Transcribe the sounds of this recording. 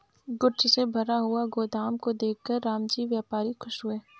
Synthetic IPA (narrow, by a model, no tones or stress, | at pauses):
ɡʊɾt͡ʃsebʱɐɾaɦʊaɡoːd̪aːmkod̪eːkʰːəɾːaːmd͡ʒiːʋjaːpaːɾixʰʊʃɦʊeː